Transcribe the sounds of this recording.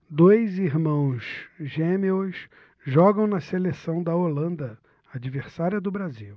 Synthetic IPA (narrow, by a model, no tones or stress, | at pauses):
d̪ojziɾmɐ̃w̃zʒemews | ʒɔɡɐ̃w̃nɐselesɐ̃w̃d̪ɐolɐ̃nd̪ɐ | ad͡ʒiveɾsaɾiɐd̪ʊbɾaziw